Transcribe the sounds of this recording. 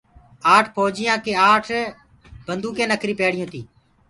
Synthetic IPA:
aːʈʰpʰoːd͡ʒɪjãːkeːaːʈʰː | bənd̪uːkẽːnəkʰɾiːpeːɽɪjõːt̪ʰiː

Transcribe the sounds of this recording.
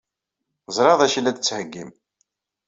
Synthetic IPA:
zˤɾˤɑðˤæʃilːæd̪ət͡sːhəɡːim

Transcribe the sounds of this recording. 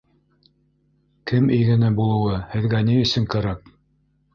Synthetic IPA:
kɘmɘ̆jɡɘ̆næbulˠɤ̆wɤhɘ̆ðɡæniɵ̆sɘŋkæɾæk̚

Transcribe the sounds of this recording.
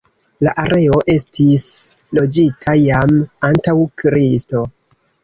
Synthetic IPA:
laʔaɾʔe̞o̞ʔe̞stislo̞d͡ʒitʰajamantawkɾisto̞

